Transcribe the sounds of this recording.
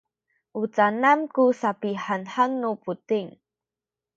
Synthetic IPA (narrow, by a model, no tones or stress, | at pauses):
ʔut͡sanankusapiħanħanːuputiŋ